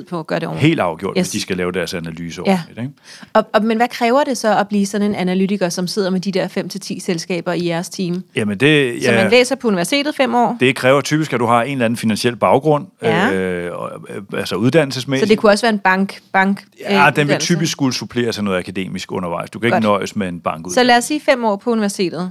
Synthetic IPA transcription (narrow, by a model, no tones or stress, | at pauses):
ið̰ˠpʰɒ̽ɡ̥ɶɐɾ̥eɒ̰ːhe̝̰ːld̥ɑ̈ʊɡ̥jo̝ɐ̰dessd̥isɡ̥ælɛːʊd̥æɐsænælyːsəɒ̰id̥eɡɒ̽ɒ̽menʋækʰʁɛːʊɐɾ̥e̝sɒ̽ɒb̥liːsɒ̽ne̝nænælydiɡ̥ɐsɒ̽mse̝ð̞̰ˠɐmed̥id̥eɐfem̰t͡sʰe̝t͡sʰḭːselsɡ̥ɛ̰ːb̥ɐijæɐst͡sʰiːmjæmənd̥e̝jæɒmænlḛːsɐpʰɒ̽uniʋæɐsi̥t͡sʰe̝̰ːd̥ð̩ˠfemɒ̰ːd̥e̝kʰʁɛːʊɐt͡sʰyb̥isɡ̥æd̥uhɑ̈e̝nlæn̩finænsiel̰b̥ɑ̈ʊɡ̥ʁɔ̽n̰ | ælsɒuð̞ˠd̥æn̰l̩səsmesɒ̽d̥e̝kʰuɒ̽sʋæɐenb̥ɑ̈ŋɡ̥b̥ɑ̈ŋɡ̥d̥enʋeyːb̥issɡ̥ulsupʰle̝̰ːɐsɑnɔ̽ð̩ˠækʰæd̥e̝̰ːmisɡ̥ɔ̽nɐʋɑ̈ɪ̰sd̥ukʰæe̝ɡ̥nɒ̽ɪəsmeenb̥ɑ̈ŋɡ̥uðsɒ̽læːɐsiːfem̰ɒ̰ːpʰɒ̽uniʋæɐsi̥e̝̰ːd̥ð̩ˠ